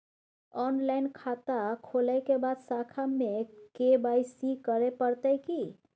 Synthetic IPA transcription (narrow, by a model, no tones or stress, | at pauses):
ɔnlaɪnkʰat̪akʰolaɪkebad̪sakʰamːekebajsikəɾepəɾt̪əjki